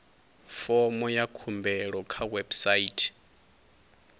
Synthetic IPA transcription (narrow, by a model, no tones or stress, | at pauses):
fɔmɔjakʰumbɛɺɔkʰawɛbsaiːtʰi̥